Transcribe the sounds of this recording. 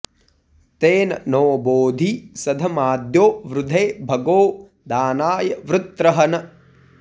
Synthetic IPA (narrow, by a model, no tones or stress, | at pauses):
t̪eːnɐnoːboːd̪ʱisɐd̪ʱɐmaːd̪joːʋɾud̪ʱeːbʱɐɡoː | d̪aːnaːjɐʋɾut̪ɾɐɦɐnɐ